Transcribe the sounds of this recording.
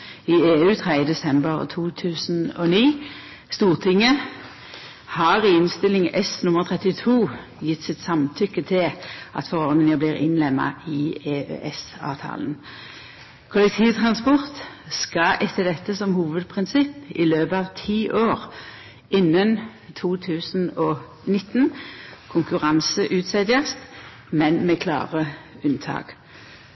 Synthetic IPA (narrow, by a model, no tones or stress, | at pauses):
ɪeːʉːt̪ʰʁɛəd̪ɛsɛmbəʁt̪ʰuːt̪ʰʉːsn̩ɔ̰niː | st̪uːʁt̪ʰɪŋːə | hɑːʁɪɪnst̪ɪlɪŋɛsnʊməʁt̪ʰʁɛt̪ɪt̪ʰuː | jɪt̪ːsɪt̪sɑmt̪ʰʏkːət̪ʰɪlʔɑ̰t̪fɔʁɔʁd̪nɪŋəbliːʁɪ̰nlɛmːɑ̰ɪeːø̰ʔɛsɑ̰ːʋt̪ʰɑ̰ːln̩ | kʰʊlɛk̚t̪ʰiːʋt̪ʰʁɑnspɔʁt̪ | skɑʔɛt̪ʰːəd̪ɛt̪ːəsɔmhuːʋəd̪pʰʁɪnsɪpːɪløːpəɑʋt̪ʰiːʔoːʁ | ɪnːənt̪ʰuːt̪ʰʉːsn̩ɔ | nɪt̪ːnkʰʊŋkʉʁɑnsəʔʉːt̪sɛd̪ɪəst̪ | mɛnmɛkʰlɑ̰ːʁəʉnt̪ʰɑ̰ːɡ̥